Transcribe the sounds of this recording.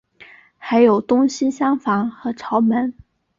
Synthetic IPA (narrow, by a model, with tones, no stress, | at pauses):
xa˧˥ɪjo˨˩ʊt̪ʊ˥ŋɕi˥ɕjɑ˥ŋfɑ˧˥ŋxɤ˧˥ʈ͡ʂʰɑ˧˥ʊmə˧˥n